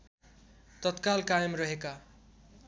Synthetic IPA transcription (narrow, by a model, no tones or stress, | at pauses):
t̪ʌt̪kalkajʌmrʌɦeka